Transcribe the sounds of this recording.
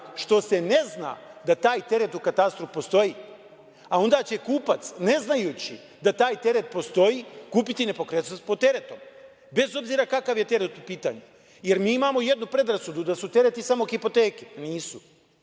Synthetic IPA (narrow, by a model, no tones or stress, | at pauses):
ʃt̪o̞se̞ne̞zna̰ːd̪at̪aːjt̪e̞ɾe̞t̪ukat̪ast̪ɾofpo̞st̪o̞ji | ao̞nd̪aːt͡ɕe̞kuːpat̪sne̞znajuːt͡ɕḭ | d̪at̪aːjt̪e̞ɾe̞t̪̚po̞st̪o̞jikuːpit̪ine̞po̞kɾet̪pot̪ːe̞ɾe̞t̪o̞m | be̞zo̞bziːɾakakaʋje̞t̪e̞ɾet̪upiːt̪aɲe | je̞ɾmiːimaːmo̞je̞d̪nupɾe̞d̪ɾasud̪ud̪asut̪e̞ɾe̞t̪isamo̞xipo̞t̪eːke̥niːsu